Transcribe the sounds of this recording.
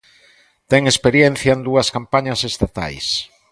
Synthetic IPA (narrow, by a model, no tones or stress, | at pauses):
t̪ɛŋespeɾjen̟θjɐend̪uɐskampaɲɐsest̪at̪a̰js